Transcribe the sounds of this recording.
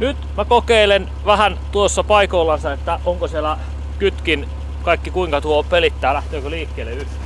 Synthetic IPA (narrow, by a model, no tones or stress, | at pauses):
nyt̪mækokeilen | ʋæhænt̪uosːɑpɑikoilːɑnsɑet̪ːæʔoŋkosielæ | kyt̪kin | kɑikːikuiŋkɑt̪uopelit̪ːæːlæht̪øːkøliːkːeːlːeyht̪æ̥